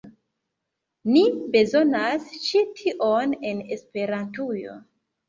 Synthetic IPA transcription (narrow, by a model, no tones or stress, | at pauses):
nibe̞zo̞nast͡ʃitʰiʔone̞nespe̞ɾantujo̞̰